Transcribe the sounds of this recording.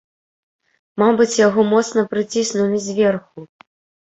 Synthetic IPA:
mabɨt͡sʲjaɣɔmɔt̪sn̪ɐpɾɨt͡sʲisnumʲizʲvʲɛrxu

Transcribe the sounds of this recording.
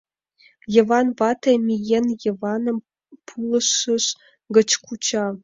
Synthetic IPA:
jĕvɑnvɑt̪ʰɐmʲijenjevɑnəm | pʰulˠəʃəʃ | ɡə̆t͡ɕkʷʰut͡ɕʰɑ

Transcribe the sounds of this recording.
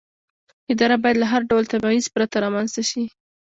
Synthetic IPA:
ɪd̪ɑɾabɑjad̪laɦaɾɖawlt̪abɑizpɾat̪aɾɑmanz̥t̪aʃi

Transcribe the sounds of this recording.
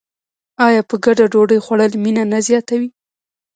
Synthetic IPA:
ɑjɑpəɡaɖaɖoɖəjxwaɽəlminanazjɑt̪awi

